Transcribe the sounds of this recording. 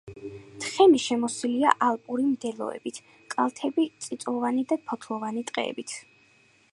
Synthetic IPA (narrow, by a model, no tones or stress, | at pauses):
t̪ʰχɛmiʃɛmɔsiliaʔalˠpʼuɾimd̪ɛlˠɔ̰ɛ̰bit̪ʰ | kʼalˠt̪ʰɛbit̪sʼit̪sʼɔvanid̪apʰɔt̪ʰlˠɔvanit̪ʼqʼɛ̰ːbit̪ʰ